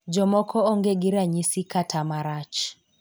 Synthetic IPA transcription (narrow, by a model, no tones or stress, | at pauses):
d͡ʒɔmɔkʰɔɔŋɡeɡiɾaɲisikatʰamaɾat͡ʃ